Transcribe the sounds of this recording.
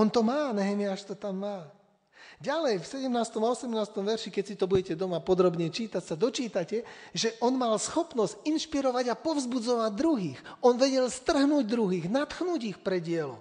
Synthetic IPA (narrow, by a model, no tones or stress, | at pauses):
ɔnt̪ɔmaːnɛɦɛmiaʃt̪ɔt̪amːaː | ɟalɛjfsɛɟɛmnaːst̪ɔmaɔsɛmnaːst̪ɔmʋɛɾʃikɛcsit̪ɔbuɟɛcɛd̪ɔmapɔd̪ɾɔbɲɛt͡ʃiːt̪acsad̪ɔt͡ʃiːt̪acɛʒɛʔɔnmalsxɔpnɔscinʃpiɾɔʋaɟapɔvzbud͡zɔʋaɟ̚d̪ɾuɦiːxɔnʋɛɟɛlst̪r̩ɦnuːɟd̪ɾuɦiːɣnat̪xnuːɟixpɾɛɟɪɛlɔ̰